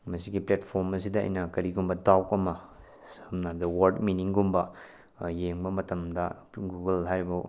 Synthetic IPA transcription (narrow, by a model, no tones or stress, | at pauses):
mɐsiɡipletpʰoɾmɐs̬idɐ̰ːjnɐkɐɾiɡumbɐdawkɐmɐ | sɐmnadɐwɐɾdminiŋɡumbɐ | jeŋbɐmɐtɐmdɐ | ɡuɡɐlɦajɾibɐ